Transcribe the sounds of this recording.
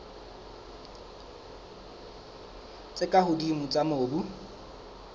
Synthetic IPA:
t͡sʼɪkʼahʊdimʊt͡sʼamoːbu

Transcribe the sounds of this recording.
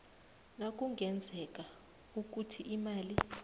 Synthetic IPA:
nak̬ʼuŋʱɛnd͡zʱɛk̬ʼa | uk̬utʰiʔimaːli

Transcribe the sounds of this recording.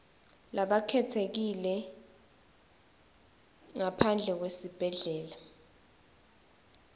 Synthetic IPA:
laɓakʰɛtʰek̬ilɛ | ŋapʰand͡ɮʱɛk̬wesib̥ʱɛɮɛːla

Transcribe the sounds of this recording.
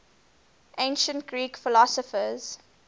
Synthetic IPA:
ʔẽɪ̃nʃə̃ntɡɹiːkfɪlɔsəfəz̥

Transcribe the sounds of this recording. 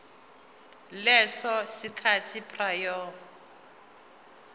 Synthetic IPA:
lɛsɔsikʰatʰipʰʼrajɔ

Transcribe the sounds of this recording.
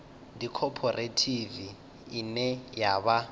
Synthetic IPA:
dikʰɔpʰɔrʔetʰiviː | nɛjaβa

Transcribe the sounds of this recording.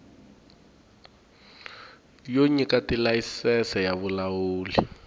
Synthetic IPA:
joɲikatilajisɛsɛjaβulawuːli

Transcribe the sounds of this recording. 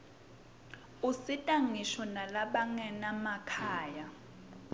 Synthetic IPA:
usitʼaŋiʃɔnalaɓaŋɛnamakʰaːja

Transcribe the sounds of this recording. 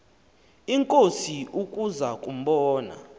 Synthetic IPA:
iŋkʼosiʔukʼuzakʼum̩ɓɔːna̰

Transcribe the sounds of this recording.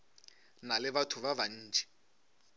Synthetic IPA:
nalɪβatʰʊβaβan̩ːd͡ʒʱɛ̥

